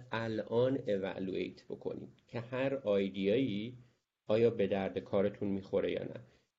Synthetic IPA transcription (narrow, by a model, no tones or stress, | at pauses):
ælʔɒːne̞væ̰luḛjt̪ʰb̥o̞̰kʰo̞̰nḭːmcʰe̞hæɾɒːjd̪ijɒːiː | ʔɒːjɒːbe̞d̪æɾd̪ekʰɒːɾe̞t̪ʰunmiːxo̞ɾe̞jɒ̰ːnʔæ̰